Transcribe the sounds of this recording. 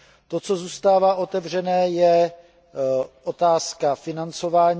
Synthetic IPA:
t̪o̞t͡so̞zuːst̪aːvaːʔo̞t̪ɛvr̝ɛnɛːjɛ | ʔo̞t̪aːskafɪnant͡so̞vaːɲ

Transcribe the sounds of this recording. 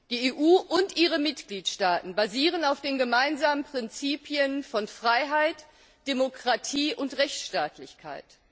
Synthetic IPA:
d̥iːeːʔuːʔʊntʔiːʁəmɪtɡ̥liːtʃtaːtn̩baziːʁ̞ənaʊfd̥eːnɡəmaɪnzaːmənpʁ̥ɪnt͡siːpʰiənfɔnfʁ̥aɪɦaɪt | d̥emokʁ̥atʰiːʔʊntʁɛçtʃtaːtʰlɪçkʰa̰ɪt

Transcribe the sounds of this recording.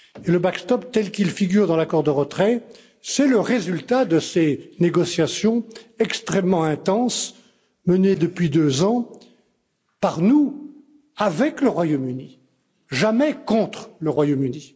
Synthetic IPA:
eləbakst̪ɔp̚t̪ɛlkʲilfiɡʲyʁd̪ɑ̃lakɔʁd̪əʁət̪χɛ | sɛləʁezylt̪ad̪əseneɡɔsjasjɔ̃ɛkst̪χɛmːɑ̃ɛ̃t̪ɑ̃s | məned̪əpɥid̪øzɑ̃ | paʁnu | avɛkləʁwajomyni | ʒamɛkɔ̃t̪χləʁwajomyni

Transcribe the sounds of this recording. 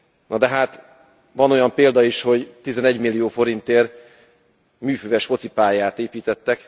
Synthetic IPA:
nɒd̪ɛɦaːt̪ | vɒno̞jɒmpeːld̪ɒiʃho̞ɟt̪izɛnɛɟmilːijoːfo̞ɾint̪eːr | myːføːvɛʃfo̞t̪sipaːjaːt̪eːpiːt̪ɛt̪ːɛk

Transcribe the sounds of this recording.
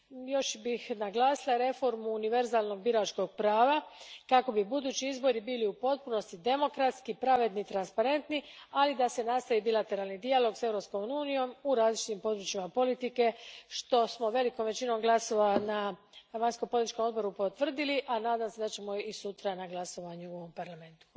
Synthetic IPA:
jo̞ʃbixnaɡlˠaːsilˠaɾe̞fo̞ɾmuːniʋe̞ɾzaːlˠno̞ɡ̚biɾat͡ʃko̞ɡ̚pɾaːʋakako̞bibud̪uːt͡ɕiizbo̞ɾibiliupo̞t̪̚puno̞st̪id̪e̞mo̞kɾat̪skipɾaʋe̞d̪nit̪ɾanspaɾe̞nt̪nialid̪ase̞nast̪aʋibilat̪e̞ɾaːlnid̪ialo̞ɡse̞vɾo̞psko̞muːnijo̞muɾaːzlit͡ʃit̪impo̞d̪ɾut͡ʃimapo̞lit̪ike̞ʃt̪o̞smo̞ʋe̞liko̞mʋe̞t͡ɕino̞mɡlaso̞ʋana | ʋaɲskompolit̪it͡ʃʃko̞mo̞d̪bo̞ɾupot̪ʋr̩d̪iliʔanaːd̪amse̞d̪at͡ɕe̞mo̞isut̪ɾanaɡlaso̞ʋaɲuoompaɾlame̞nt̪u̥

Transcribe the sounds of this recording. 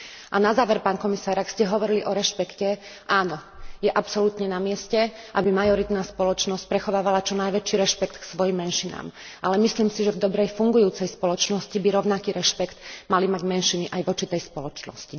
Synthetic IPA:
ʔanazaːʋɛɾpaːnkɔmisaːɾakscɛɦɔʋɔɾiliʔɔɾɛʃpɛkcɛ | ʔaːnɔjɛʔapsɔlut̪ɲɛnamɪɛscɛ | ʔabimajɔɾit̪naːspɔlɔt͡ʃnɔsc̚pɾɛxɔʋaːʋalat͡ʃɔnajʋɛt͡ʃiɾɛʃpɛkt̪ksʋɔjimːɛnʃina̰ːm | ʔalɛmisliːmsiʒɛvd̪ɔbɾɛjfuŋɡujuːt͡sɛjspɔlɔt͡ʃnɔscibiɾɔʊnakiːɾɛʃpɛkt̪malimaɟmɛnʃiniʔajʋɔt͡ʃit̪ɛjspɔlɔt͡ʃnɔ̰sci

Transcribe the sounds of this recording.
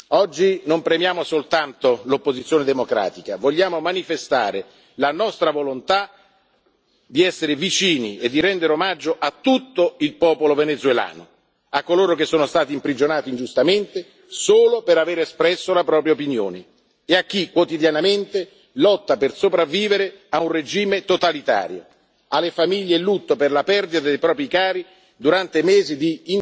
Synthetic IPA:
ɔd͡ʒːinompɾemjaːmosolt̪ant̪olopːozit̪sjoːned̪emokɾa̰ːt̪ikavoʎːaːmomanifest̪a̰ːɾe | lanɔst̪ɾavolont̪a | d̪iɛsːeɾɪvit͡ʃiːnied̪ːiɾɛnd̪eɾeomad͡ʒːoʔat̪ːut̪ːoilpɔːpolovenet̪zwela̰ːno | akːoloːɾok̟esːoːnost̪aːt̪iːmpɾid͡ʒonaːt̪ind͡ʒust̪ament̪e | soːlopeɾaveːɾeespɾɛsːolapɾɔːpɾjaopinjo̰ːne | eakːikːwot̪id̪janament̪e | lɔt̪ːapersopɾavːiːveɾeaunred͡ʒiːmet̪ot̪alit̪a̰ːɾjo̰ | alːefamiʎːelːut̪ːoperlapɛrd̪it̪ad̪ejpɾɔːpɾikaːɾi | d̪uɾant̪emeːzid̪iːn

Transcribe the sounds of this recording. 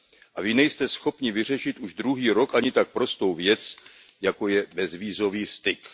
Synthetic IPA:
ʔavɪnɛjst̪ɛsxo̞pɲɪvɪr̝ɛʃɪt̪ʔuʒd̪ɾuɦiːɾo̞kaɲɪt̪ak̚pɾo̞st̪o̞wvjɛt͡s | jako̞jɛbɛzviːzo̞viːst̪ɪk

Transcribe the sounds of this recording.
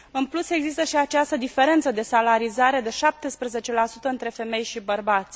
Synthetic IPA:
ɨnpluse̞ɡzist̪əʃiat͡ʃast̪əd̪ife̞ɾe̞nt̪səd̪e̞salaɾizaɾe̞d̪e̞ʃap̚t̪e̞spɾeze̞t͡ʃe̞lasut̪əɨnt̪ɾe̞fe̞me̞jʃibərbat̪sʲ

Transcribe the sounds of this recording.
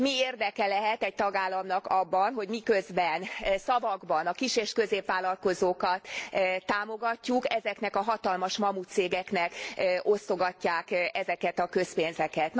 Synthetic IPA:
mieːrd̪ɛkɛlɛɦɛt̪ɛc̚t̪ɒɡaːlːɒmnɒkɒbːɒnɦo̞ɟmikø̞zbɛnsɒvɒɡbɒnɒkiʃeːʃkøzeːpvʋaːlːɒlko̞zoːkɒt̪ːaːmo̞ɡɒcːukɛzɛknɛkɒɦɒt̪ɒlmɒʃmɒmut̪seːɡɛknɛko̞st̪o̞ɡɒcːaːkɛzɛkɛt̪ɒkø̞speːnzɛkɛt̪n

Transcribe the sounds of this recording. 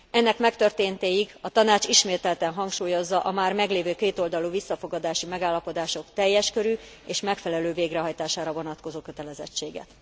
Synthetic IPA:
ɛnːɛkmɛkt̪ørt̪eːnt̪eːjiɡɒt̪ɒnaːt͡ʃiʃmeːt̪ɛlt̪ɛnɦɒŋkʃuːjo̞zːɒʔɒmaːrmɛɡleːvøːkeːt̪o̞ld̪ɒluvisːɒfo̞ɡɒd̪aːʃimɛɡaːlːɒpo̞d̪aːʃo̞kt̪ɛjːɛʃkø̞ɾy | eːʃmɛkfɛlɛløːveːɡrɛɦɒjt̪aːʃaːɾɒvo̞nɒt̪ko̞zoːkø̞t̪ɛlɛzɛ̰t͡ʃːeːɡɛ̰t̪

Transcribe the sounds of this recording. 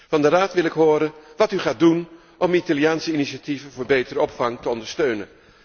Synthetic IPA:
vɑndəraːtʋɪlɪkɦoːɾənʋɑtyχaːt̚dun | ʔɔmitalijaːnsəiniʃativənvʊːɹbejtəɾəɔpfɑŋtəɔndəɹstøɥnən

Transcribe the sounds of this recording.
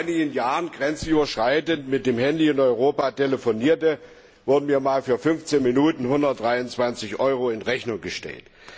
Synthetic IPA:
ɪnɪɡn̩jaːʁənɡʁɛnt͡syːbɐʃʁ̥aɪtəntmɪt̚d̥eːmhɛndiɪnɔʏʁ̞oːpateləfoniːɐtə | vʊɐdəmiːɐmaːlfyːɐfʏnft͡seːnminuːtn̩hʊndɐt̚d̥ʁaɪʊnt͡sv̥ant͡sɪçʔɔʏʁoɪnʁɛçnʊŋɡəʃtɛ̰lt

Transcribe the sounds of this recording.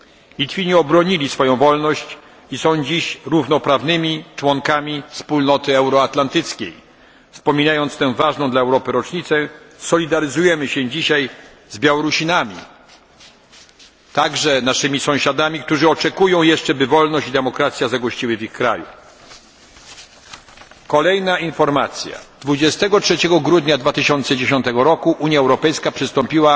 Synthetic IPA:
lʲit̪fʲiɲiɔbɾɔɲilʲisfɔjɔ̃w̃vɔlnɔɕt͡ɕ | isɔ̃w̃d͡ʑiɕɾuvnɔpɾavnɘmʲit͡ʂwɔŋkamʲifspulnɔt̪ɘɛwɾɔat̪lant̪ɘt̪skʲḛj | fspɔmʲinajɔnt̪st̪ɛ̃w̃vaʐnɔ̃d̪laɛwɾɔpɘɾɔt͡ʂɲit̪sɛ | sɔlʲid̪aɾɘzujɛmɘɕɛ̃d͡ʑiɕaj | zbʲjawɔɾuɕinamʲḭ | t̪aɡʐɛnaʂɘmʲisɔ̃w̃ɕad̪amʲik̚t̪uʐɘɔt͡ʂɛkujɔ̃w̃jɛʂt͡ʂɛbɘvɔlnɔɕt͡ɕid̪ɛmɔkɾat̪sʲjazaɡɔɕt͡ɕiwɘvʲixkɾa̰jṵ | kɔlɛjnainfɔɾmat̪sʲja̰d̪̥vud͡ʑɛst̪ɛɡɔtʂɛt͡ɕɛɡɔɡɾud̪ɲad̪vat̪ɘɕɔnt̪sɛd͡ʑeɕɔnt̪ɛɡɔɾɔkuʔuɲjaɛwɾɔpɛjskapʂɘst̪ɔmpʲiwa

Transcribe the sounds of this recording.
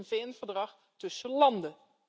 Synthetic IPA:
nveɛnvəɹdrɑχ | tɵsəlɑndə

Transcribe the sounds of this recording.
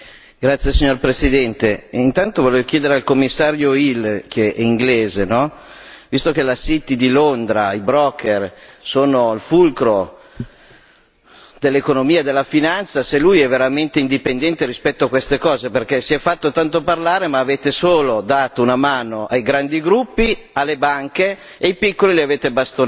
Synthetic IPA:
ɡ̥ɾat̪sːjesiɲːorpɾesid̪ɛnt̪eint̪ant̪ovoleːvokjeːd̪eɾealkomːisːaːɾjoilkʰeɛiŋɡleːzenɔ | vist̪ok̟elasit̪id̪ilond̪ɾaibɾɔkʰːersoːnoilfulkɾo | d̪elːekonomiːad̪elːafinant̪saselujɛveɾament̪eind̪ipend̪ɛnt̪eɾispɛt̪ːoakwest̪ekɔːzeperk̟ɛsiɛfːat̪ːot̪ant̪oparlaːɾemaːveːt̪esoːlod̪aːt̪ounamaːnoʔajɡɾand̪iɡɾupːi | alːebaŋkeː | ipikːolileaveːt̪ebast̪on

